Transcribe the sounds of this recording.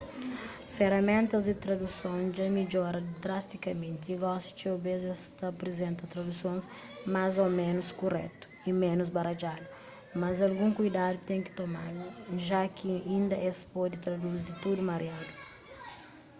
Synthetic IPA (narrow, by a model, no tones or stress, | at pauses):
feɾɐmẽnt̪ɐzd̪ɪt̪ɾɐd̪usõd͡ʒɐmid͡ʒɔɾɐd̪ɾast̪ikɐmẽnt̪iiɡɔst̪i̥t͡ʃewbezɛst̪ɐpɾezẽnt̪ɐt̪ɾɐd̪usõs | mazomẽnuskurɛ̰t̪u̥imẽnuzbɐɾɐd͡ʒad̪u | mɐzɐlɡũŋkujd̪ad̪ut̪ẽŋkɪ̥t̪omalʒakiĩnd̪ɐʔespɔd̪ɪt̪ɾɐd̪uzit̪ud̪umɐɾjad̪u